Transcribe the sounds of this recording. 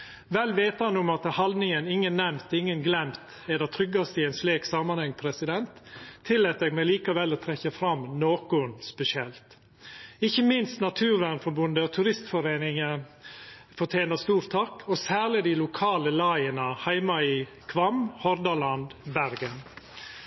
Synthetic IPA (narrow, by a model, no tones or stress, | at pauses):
ʋɛlːʋeːt̪ɑnːʊmɑt̪hɑld̪nɪŋənɪŋːənːɛmt̪ɪŋːənɡlɛmt̪ | ɛd̪ɛt̪ʰɾʏɡːɑst̪ɪɛnsleːksɑːmɑnhɛŋːpʰɾɛsɪd̪ɛnt̪ʰːɪlːɛːt̪ɛɡmɛliːkɑʋɛlːɔːt̪ʰɾɛçːəfɾɑmnoːkʊʉnspɛsɪɛlt̪ | ɪçːəmɪnst̪nɑt̪ʰʉːɾʋænfɔɾbʉnd̪əɔt̪ʰʉɾɪst̪fɔɾeːnɪŋə | fɔʈʰjeːnəst̪uːɾt̪ʰɑkːɔsæːɾlɪd̪ɪlʊkʰɑːləlɑɪənəhæɪmɑiː | kʰʋɑmhɔɾd̪ɑlɑnd̪bæɾɡən